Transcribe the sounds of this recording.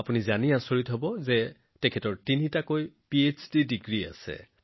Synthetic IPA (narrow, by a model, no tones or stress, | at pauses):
apunizaniasoɹitɦobɔzɛ | tɛkʰɛtɔɹtinitakojpiesdidiɡɹia̰sɛ̰